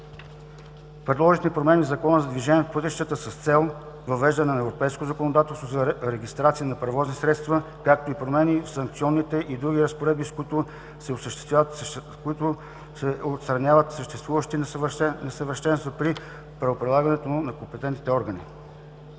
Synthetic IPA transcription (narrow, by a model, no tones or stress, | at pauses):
pɾɛd̪lˠɔʒixnipɾomɛnizɐkɔnəzɐd̪viʒɛnʲiɛfpɤt̪iʃt̪ət̪əsəst̪sɛlˠ | vɐvɛʒd̪ənɛnɐɛvɾopɛjskoozɐkonod̪at̪ɛlˠst̪vozɐɾɛɡʲist̪ɾat̪siənɐpɾɛvɔznisɾɛt̪st̪və | kak̚t̪oipɾomɛnifsɐŋk̚t̪sʲiɔnːit̪ɛʔid̪ɾuɡ̟ʲiɾəspoɾɛd̪̚biskit̪ʊ | sɛosəʃt̪ɛ̥st̪vʲat̪ | koit̪ʊ | sɛot̪st̪ɾɐnʲavət̪səʃt̪ɛst̪vuvəʃt̪inɛnɛsəvəɾʃt̪ɛnst̪vəpɾi | pɾɐvopɾilˠaɡɐnɛt̪onɐkompɛt̪ɛnt̪nit̪ɛɔɾɡənḭ